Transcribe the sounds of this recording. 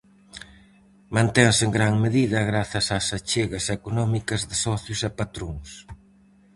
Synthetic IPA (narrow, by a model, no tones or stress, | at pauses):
mãnt̪ɛŋseŋɡɾaŋmeðiðɐɣɾaθɐsasat͡ʃeɣɐsekonɔmikɐzðɪsɔθjʊsɛpat̪ɾoŋs